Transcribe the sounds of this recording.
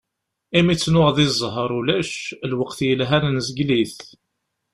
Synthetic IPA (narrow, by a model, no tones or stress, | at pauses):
imit͡sːnʊʁðˤizˤɦəɾˤulæʃlwəqθjəlɦænnəzəɡliθ